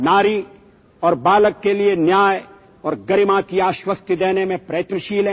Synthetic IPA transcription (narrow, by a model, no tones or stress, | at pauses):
naːɾi | ɔːɾbaːləkːelienjaːj | ɔːɾɡəɾɪmãkiaːʃwəst̪ʰəd̪eːnemẽpɾɐjət̪nəʃiːlɦẽ